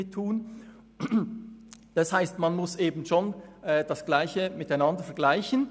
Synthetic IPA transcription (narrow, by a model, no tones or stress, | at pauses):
ɪtʰːuːn | d̥ɑshaɪstmanmʊsʔeːbn̩ʃoːnʔɛːd̥ɑsɡ̥laɪçəmɪtaɪnɑndəfɛɐɡlaɪçən̩